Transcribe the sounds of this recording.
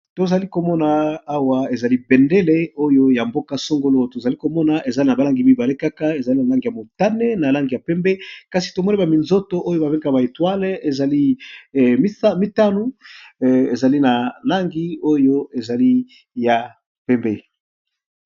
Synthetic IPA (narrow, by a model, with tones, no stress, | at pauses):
to˨za˨li˦ko˨mɔ˦naː˨˦wa˦e˨za˨li˦bɛ˨nde˦le˦o˦jo˦ja˨mbo˦ka˦so˦ŋɡo˦lo˦to˨za˨li˦ko˨mɔ˦na˨ʔe˨za˦li˦na˨ba˨la˦ŋɡi˨˦mi˦ba˨le˦ka˦ka˦e˨za˨li˦na˨la˦ŋɡi˨ja˨mo˨ta˦ne˦na˨la˦ŋɡi˨ja˨pɛ˦mbe˦ka˨si̥˨to˨mɔ˦ni˦ba˨mi˨nzo˦to˦ʔo˦jo˦ba˨be˦ɡa˨ba˨e˨twa˦le˨za˨li˦˨ | m˦a˦mi˦ta˦nu˦ | e˨za˨li˦na˨la˦ŋɡi˦o˦jo˦e˨za˨li˦ | ja˨ | pɛ˦mbe˦